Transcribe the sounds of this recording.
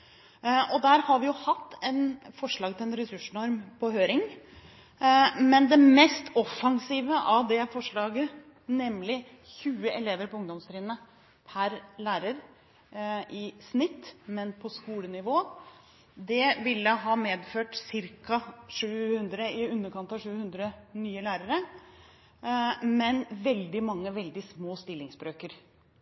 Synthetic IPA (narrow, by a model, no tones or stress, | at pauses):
ʔɔd̪æːɾhɑɾʋɪjʊhɑt̪ːɛnfɔʂɭɑːɡt̪ɪlɛnɾɛsʉʂnɔɾmpʰɔɦøːɾɪŋ | mɛnd̪ɛmɛst̪ɔfːɑŋsiːʋəʔɑʋd̪ɛfɔʂɭɑːɡə | nɛmːlɪ | çʉːəʔɛleːʋəɾpɔʊŋd̪ɔmst̪ɾɪːnnə | pʰæɾlæːɾəɾ | ʔɪsnɪt̪ːmɛnpʰɔskuːlənɪʋoː | d̪ɛʋɪlːəɦɑːmeːd̪føːʈsɪɾkɑʂʉːhʉnd̪ɾəɪʉnːəɾkʰɑnt̪ɑʋʂʉːhʉnd̪ɾənyːəlæːɾəɾə | mɛnʋɛld̪ɪmɑŋːəʋɛld̪ɪsmoːst̪ɪlːɪŋsbɾøːkəɾ